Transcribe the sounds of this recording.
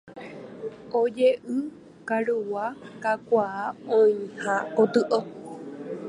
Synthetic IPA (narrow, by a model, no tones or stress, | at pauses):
od͡ʒeʔɨ | kaɾuwakakʷaːõĩhãkot̪ɨʔo